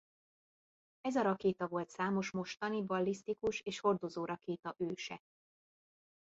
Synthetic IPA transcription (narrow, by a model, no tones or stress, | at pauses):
ɛzɒɾɒkeːt̪ɒvo̞lt̪saːmo̞ʃmo̞ʃt̪ɒnibɒlːist̪ikuʃeːʃho̞rd̪o̞zoːɾʔɒkeːt̪ɒʔøːʃɛ̰